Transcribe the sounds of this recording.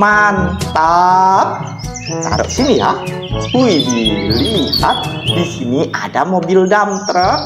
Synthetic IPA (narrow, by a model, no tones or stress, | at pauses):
mant̪ap̚ | ka̰ɾo̰ʔsinija̰ | hujdilihat̪̚disiniʔadamobildamt̪ɾə